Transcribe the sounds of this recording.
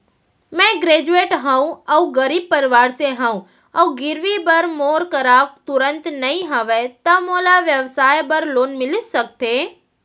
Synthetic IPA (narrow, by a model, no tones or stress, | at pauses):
mɛ̃ɡɾeːd͡ʒueːʈɦãũɐuɡɐɾiːb̚pɐɾɪʋaːɾseɦãũ | ɐuɡɪɾʋibɐɾmoːɾkɐɾaːkt̪ʊɾə̃nt̪nɐɦĩɦɐʋet̪ɐmoːlaʋjəʋsaːjbɐɾloːnmɪlɪsɐk̚t̪ʰeː